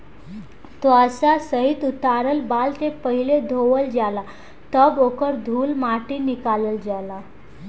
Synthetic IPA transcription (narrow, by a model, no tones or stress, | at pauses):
t̪oəsasəɦit̪ut̪aɾəlbalt̪epəɦiled̪ʱoʋəld͡ʑala | t̪əbokəɾd̪ʱuːlmaʈinikaləld͡ʑala